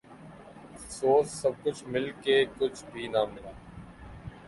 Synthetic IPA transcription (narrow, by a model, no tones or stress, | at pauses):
fsoːsːəb̚kʊt͡ʃʰmɪlkekʊt͡ʃʰbʱiːnamɪlaː